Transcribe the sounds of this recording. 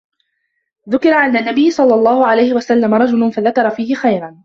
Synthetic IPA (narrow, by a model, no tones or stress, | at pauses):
ðʊkɪɾɑʕanːanːabɪjːɪsˤɑlːɑlˤːɑːhʊʕalajhɪwasalːamaɾˤɑd͡ʒʊlʊnfaðakɑɾˤɑfiːhɪxajɾɑn